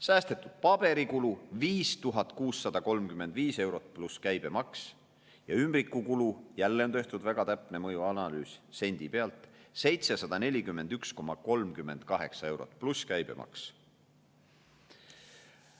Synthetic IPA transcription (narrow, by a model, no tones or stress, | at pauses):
sæːst̪e̞t̪ːˑud̪̥̚pɑb̥e̞ɾikuluviːst̪uɦɑt̪ːˑkuːsːɑd̪̥ɑko̞lmkyme̞nd̪viːse̞wɾo̞t̪̚pluskæjb̥e̞mɑks | jɑymbɾikːˑukulujælːe̞ont̪ø̞ht̪ud̪̥væɡ̥ɑt̪æpˑnemɤjuɑnɑlyːsse̞nʲd̪̥ipe̞ɑlt̪ˑse̞jt̪sesɑd̪̥ɑne̞lʲikymːe̞nd̪̥yksko̞mːɑko̞lmkymːe̞nd̪̥kɑɦe̞̰ksɑe̞wɾo̞̰t̪̚pluskæjb̥e̞̰mʔɑ̰ks